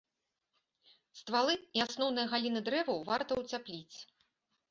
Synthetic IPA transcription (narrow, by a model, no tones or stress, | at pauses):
st̪valˠɨiasnɔwn̪ɨjɐɣalʲinɨd̪ɾɛvɐwvart̪ɐwt͡sʲaplʲit͡sʲ